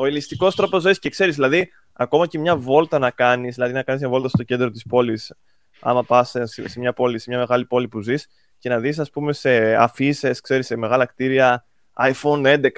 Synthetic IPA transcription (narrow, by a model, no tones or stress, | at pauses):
o̞ilist̪iko̞st̪ɾo̞po̞zoisce̞kse̞ɾizðilɐði | ɐko̞mɐcemɲɐvo̞lt̪ɐnɐkɐnizðilɐðinɐkɐnizmɲɐvo̞lt̪ɐst̪o̞ce̞nd̪ɾo̞t̪ispo̞lis | ɐ̰mɐpɐsessemɲɐpo̞lise̞mɲɐme̞ɣɐlipo̞lipuzis | ce̞nɐðis̬ɐspume̞se̞ɐfise̞skse̞ɾise̞me̞ɣɐlɐkt̪iɾiɐ | ɐifo̞ne̞nd̪e̞kɐ